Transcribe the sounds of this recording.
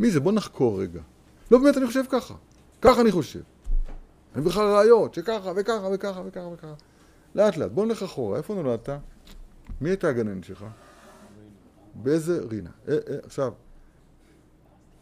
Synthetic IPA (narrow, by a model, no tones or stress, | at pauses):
mizebo̞naχkʰo̞ʁːeɡa | lobeme̞taniχoʃ̬e̞vkaχa̰ | kaχaniχo̞ʃe̞̰v | anibχlalʁaːjo̞tʃekaχavekaχave̞kaχavekaχavekaχa | leatlea̰t̚bonleχaχoʁa̰efonoladt̪a | miajtaɡananʃelχa | beezeʁina̰ʔeʔaχʃav